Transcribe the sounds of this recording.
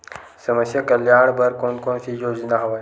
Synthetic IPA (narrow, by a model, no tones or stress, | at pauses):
səməsjəkəljaːɳ̃bʱəɾkoːnkoːɳsijoːd͡ʒnaɦɐʋaj